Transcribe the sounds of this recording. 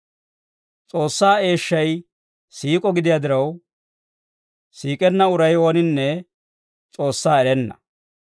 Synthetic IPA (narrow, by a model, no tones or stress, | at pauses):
t͡sʼo̞ːsːaːe̞ːʃːɐj | siːkʼɔɡɪd̪ɪjaːd̪ɪɾɐw | siːkʼɛnːɐʊɾɐjwoːnɪnːɛ | t͡sʼo̞ːsːaːɛɾɛnːɐ̥̰